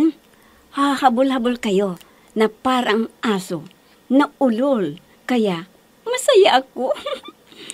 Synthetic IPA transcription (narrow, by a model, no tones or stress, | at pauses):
n | hahɐbʊlɦɐbʊlkɐjo | nɐpaːɾɐŋʔaːso | nɐʊlol | kɐjaʔ | mɐsɐjaʔɐko